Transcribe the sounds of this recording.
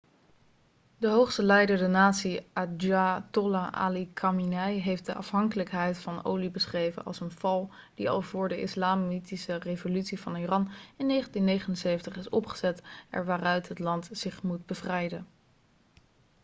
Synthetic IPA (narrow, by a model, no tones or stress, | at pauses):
dəɦowχstəlɛjdəɹdənaːtsiad͡ʒatɔlaa̰likʰaminɛjɦejftdəʔɑ̰fɦɑŋkələkɦɛjtfɑno̰wlibəsχrejvə̰nʔɑ̰lˠsənv̥ɑlˠ | d̥iɑ̰lˠvʊːɹdəɪ̰slaːmitisərevolytsivɑnirɑnɪnːejχəntinːejχənənsejvəntəχɪsɔ̰pχə̥z̥ɛtʔɛ̰ɹʋaːrœɥtɦətlɑntzɪχmud̚bəvrɛjdən